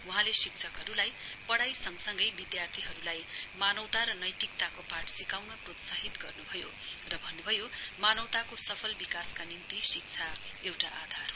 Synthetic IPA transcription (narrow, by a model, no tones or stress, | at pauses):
uɦãlesik̚t͡sʰʌkɦʌɾulajpʌɽajsʌŋsʌŋɡʌjbid̪jart̪ʰiɦʌɾulajmanʌwt̪aɾʌnʌjt̪ikt̪akopaʈsikawnʌprot̪saɦit̪ɡʌrnubʱʌjo | rʌbʱʌnːubʱʌjomanʌwt̪akosʌpʰʌlbikaskanint̪isik̚t͡sʰaewʈaʔad̪ʱar